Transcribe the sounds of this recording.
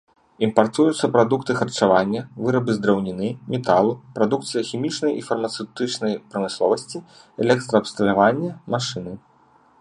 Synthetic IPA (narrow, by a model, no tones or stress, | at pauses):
impart̪ujut̪sːɐpɾad̪ukt̪ɨxɐrt͡ʂavanʲːɐvɨɾɐbɨzd̪ɾɐwnʲinɨmʲɛt̪alˠupɾad̪uk̚t̪sɨjɐxʲimʲit͡ʂnɐjʔifɐrmɐt̪sɛwt̪ɨt͡ʂnɐjpɾɐmɨslˠɔvɐsʲt͡sʲi | ɛlʲɛk̚t̪ɾɐːpst̪ɐlʲavanʲːɐmaʂɨnɨ